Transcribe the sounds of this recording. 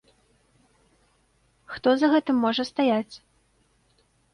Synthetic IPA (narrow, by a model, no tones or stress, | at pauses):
xt̪ɔzɐɣɛt̪ɨmːɔʐɐst̪ajat͡sʲ